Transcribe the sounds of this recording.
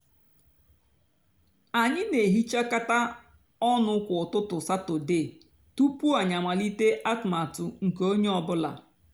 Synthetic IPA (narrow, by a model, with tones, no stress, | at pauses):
a˨ɲɪ˦ne˨ɦi˦t͡ʃa˦ka˦ta˦ | ɔ˦nʊ˦kʷʊ˨ʊ˨tʊ˦tʊ˨sa˦tʊ˨de˦˨ | tu˦pu˦a˨ɲa˨ma˨li˦te˦ʔa˦tma˨tʊ˨ŋ̩˨ko˦ɲe˦ɔ˨bʊ˦la̰˨